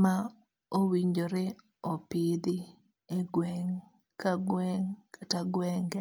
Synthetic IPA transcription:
ma | owiɲd͡ʒoɾe | ɔpid̪i | eɡwɛŋ | kaɡwɛŋkataɡwɛŋɡ

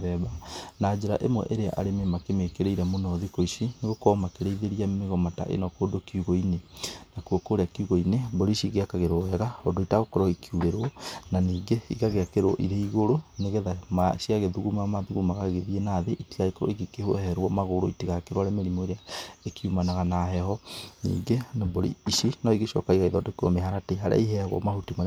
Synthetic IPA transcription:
ðɛβanad͡ʒeɾa̰ʔemwɛ̰ʔeɾea̰ʔa̰ɾememakemekeɾeiɾɛmonɔðikoiʃineɣokɔːmakeɾeiðeɾiameɣɔmata̰ʔḛnɔkodokiuɣoinenakuokoːɾeakiuɣoinebɔɾiʃiɣeakaɣeɾoɛɣaodoitaɣokɔɾɔikiuɾeɾwɔnaniːŋɡeiɣaɣeakeɾoɔ̰ʔḭɾeiɣoɾoneɣɛðamaʃiaɣeðuɣumamaðuɣumaɣaɣeðienaðeʔitiɣaikɔ̰iɡekehohɛɾwɔmaɣoɾoitiɣakeɾwaɾemeɾimoeɾeaekiumanaɣanaɦɛhɔnḭːɡenabɔɾḭiʃinɔiɣeʃɔ̰kaiɣaiðɔdoko̰meɦaɾateɦaɾa̰iɦɛaɣɔ̰mahutima

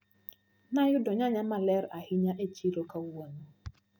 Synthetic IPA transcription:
najʊdɔɲaɲamalɛɾahɪɲaʔet͡ʃiɾokawono

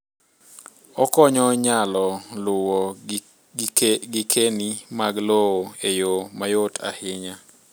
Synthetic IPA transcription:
ɔkɔɲɔɲalɔlʊwɔ | ɡɪkʰenimaɡlowoejomajotʰa̰hɪɲa

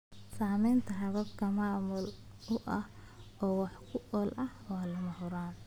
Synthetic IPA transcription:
saːmɛjnt̪ʰɐɦɐβɐbkʰɐmaːmʊl | ʊʔɐh | ɔːwɑħkʰʊʔɔːlʔɐhwaːlɐmɐhʊɾaːn

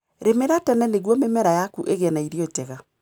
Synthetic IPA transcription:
ɾemeɾatɔnɛneɣwɔmemɛɾajakuʔeɣɛnaiɾiɔtɛɣa

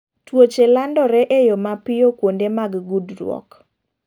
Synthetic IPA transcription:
twot͡ʃelandɔɾɛʔejomapɪjokwondemaɡɡudɾwɔ̰k

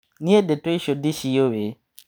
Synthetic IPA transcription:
nĩɛdɪtʊiɕodɪɕiowe

